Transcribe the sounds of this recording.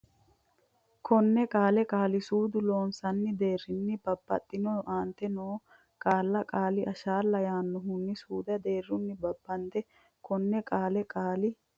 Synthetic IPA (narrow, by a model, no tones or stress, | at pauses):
kʰɔnːɛkʼaːlɛkʼaːlɪsuːd̪ʊlo̞ːnsɐnːɪd̪e̞ːrɪnːɪbɐbːɐ̰t̪ʼːɪnoːʔaːnt̪ɛnoː | kʼaːlːɐkʼaːlɪʔɐʃaːlːɐjaːnːʊɦʊnːɪsuːd̪ɐd̪eːrːʊnːɪbɐbːɐnt̪ɛ | kʰɔnːɛkʼaːlɛkʼaːlɪ